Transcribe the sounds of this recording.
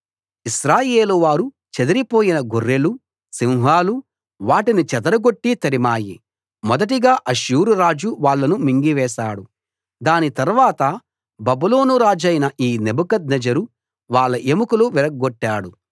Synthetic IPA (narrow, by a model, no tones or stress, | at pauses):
iʃɾaːjeːluʋaːɾu | t͡ʃed̪ɐɾipo̞ːjinɐɡorːelu | siwɦaːlu | ʋaːʈinit͡ʃɛd̪ɐɾɐɡoʈːit̪ɐɾimaːjḭ | mɔd̪ɐʈ̬iɡaːʔɐʃuːɾuɾaːd͡ʒuʋaːɭːɐnumiŋɡiʋɛːʃaːɽu | d̪aːnit̪ɐɾʋaːt̪ɐ | bɐbulo̞ːnuɾaːd͡ʒɐjnɐʔiːnebukɐd̪̚nɐd͡ʒɐɾu | ʋaːɭːɐʔemukuluʋiɾɐɡɡoʈːaːɽu